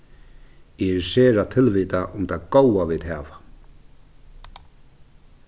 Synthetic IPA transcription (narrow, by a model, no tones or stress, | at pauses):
ɛsɛːɾat̪ʰɪlviːt̪aʔʊmt̪ʰaðkoːwavɪðhaːva